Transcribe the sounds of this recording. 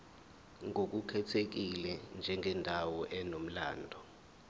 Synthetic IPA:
ŋʱok̬ukʰɛtʰek̬ilɛnd͡ʒʱɛŋʱɛndʱawɔʔɛnom̩la̰ːndʱɔ

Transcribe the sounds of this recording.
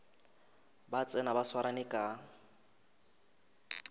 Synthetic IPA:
bat͡sʼɛnabaswaɾanɪkʼa

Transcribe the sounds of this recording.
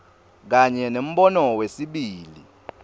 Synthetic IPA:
k̬aɲɛnem̩ɓɔnɔwesiɓiːli

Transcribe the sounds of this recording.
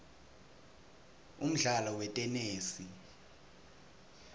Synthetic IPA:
um̩ɮalɔwɛtʼɛneːsi

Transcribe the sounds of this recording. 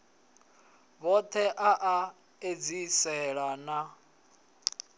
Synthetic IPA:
βɔt̪ʰɛʔaʔa | ed͡zisɛɺana

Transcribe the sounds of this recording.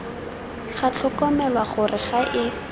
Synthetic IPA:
χat͡ɬʰɔkɔmɛlwaχʊrɪχaʔɪ

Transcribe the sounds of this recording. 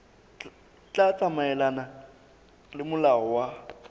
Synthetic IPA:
t͡ɬʼat͡sʼamaɛlana | lɪmʊlaɔwa

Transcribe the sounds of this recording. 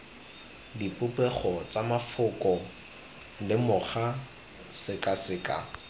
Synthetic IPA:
dipʼʊpʼɛχɔt͡samafʊkʼɔ | lɪmʊχa | sɪkʼasɪkʼa̰

